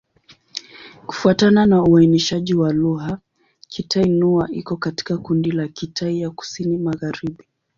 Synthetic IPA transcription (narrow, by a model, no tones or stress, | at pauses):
ku̥fuatananauainiʃaʄiwaluɣa | kʰitʰainuaʔikɔkati̥kakundilakitʰaijaku̥sinimaɣaɾiɓi